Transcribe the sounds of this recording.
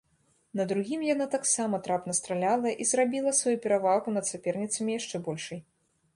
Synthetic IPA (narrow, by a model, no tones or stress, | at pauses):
nɐd̪ɾuɣʲimjanat̪aksamɐt̪ɾapnɐst̪ɾalʲalˠɐʔizrabʲilˠɐsvajupʲɛɾavaɣunɐt̪sʲapʲɛrnʲit̪sɐmʲijaʂt͡ʂɛbɔlʲʂɐj